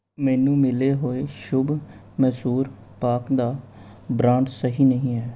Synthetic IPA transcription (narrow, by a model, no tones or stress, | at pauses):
mɛːnũːmɪleːɦoːeːʃʊb | mɛsuːɾ | paːkd̪aː | bɾãːɳɖsəɦiːnəɦĩːɦɛː